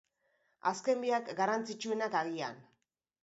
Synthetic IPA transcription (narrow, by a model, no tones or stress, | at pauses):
aske̞mbiakɡarant͡sit͡ʃue̞nakaɣia̰n